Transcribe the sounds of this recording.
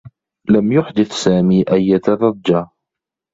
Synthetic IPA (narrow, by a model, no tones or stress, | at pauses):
lamjʊħd̪ɪθsaːmiːʔajːat̪ɑɾˤɑdːaː